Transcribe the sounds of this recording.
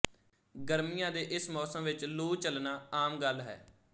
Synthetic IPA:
ɡəɾmijãːd̪eːʔɪsmɔːsəmʋɪt͡ʃluːt͡ʃəlnaːaːmɡəlɦɛ̰ː

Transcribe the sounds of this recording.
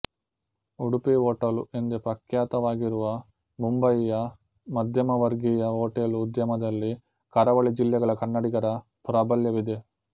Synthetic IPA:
uɽupioːʈɐluend̪epɐkjaːt̪ɐʋaːɡiɾuʋɐ | mumbɐjijɐ | mɐd̪ʱjɐmɐʋɐɾɡijɐoːʈeluːd̪jɐmɐd̪ɐlːi | kɐɾɐʋɐɭid͡ʒilːɛɡɐɭɐkɐnːɐɽiɡɐɾɐ | puɾɐbɐljɐʋid̪e̞

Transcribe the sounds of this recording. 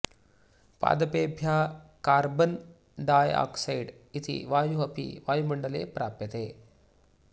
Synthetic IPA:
pa̰ːd̪ɐpeːbʱjaːkaːɾbɐn | ɖaːja̰ːksɐjɖ | it̪ḭʋaːjuɦɐpḭʋaːjumɐɳɖɐlḛːpɾʔaːpjɐt̪eː

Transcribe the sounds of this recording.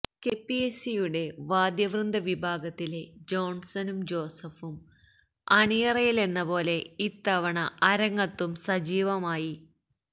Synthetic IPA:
kepːiesijuɽe̞ʋaːd̪jɐʋrɨnd̪ʱɐʋibʱaːɡɐt̪ːile̞d͡ʑo̞ːɳsɐnumd͡ʑo̞ːsɐfum | ɐɳijɐrɐjile̞nːɐbo̞ːle̞it̪ːɐʋɐɳɐʔɐɾɐŋːɐt̪ːumsɐd͡ʑiːʋɐmaːji

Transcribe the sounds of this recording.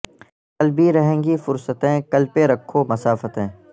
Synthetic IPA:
kɐlbʱiɾɐɦẽːŋɡifʊɾsət̪ẽkɐlpeɾɐkʰːomɐsaːfət̪ẽː

